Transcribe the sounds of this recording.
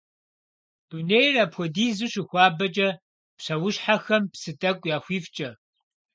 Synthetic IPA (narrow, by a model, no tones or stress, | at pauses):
d̥unejrɐpxʷɔdiːzɨɕɪxʷɑːbɐt͡ʃʼɐ | pɕɐwʊɕħaxɐmpsɨtʼɐkʷʼjaːxʷiːft͡ʃʼɐ